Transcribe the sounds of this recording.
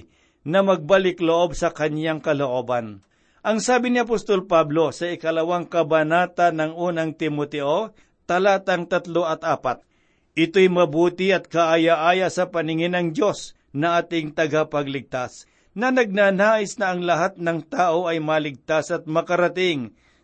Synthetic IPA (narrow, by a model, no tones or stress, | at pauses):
nɐmɐɡ̚balɪkloʔo̞bsɐkɐnjaŋkɐloʔo̞ːbɐn | ʔɐŋsaːbɪnɪɐp̬ost̪o̞lpablo̞sɐɪkɐlɐwaŋkɐbɐnaːt̪anɐŋʔuːnɐŋt̪ɪmot̪ɛʔo | t̪ɐlaːt̪ɐŋt̪ɐt̪lo̞ʔɐt̪̚ʔaːpat̪̚ | ʔɪt̪o̞jmɐbuːt̪ɪɐt̪̚kɐʔajaʔaːjasɐpɐnɪŋɪnɐŋd̪jo̞s | nɐʔaːt̪ɪŋt̪ɐɡapɐɡlɪɡ̚t̪as | nɐnɐɡ̚naːnaːʔɪsnɐːŋlɐɦat̪̚nɐŋt̪aːʔo̞ʔɐjmɐlɪɡ̚t̪asɐt̪̚mɐkɐɾɐt̪ɪŋ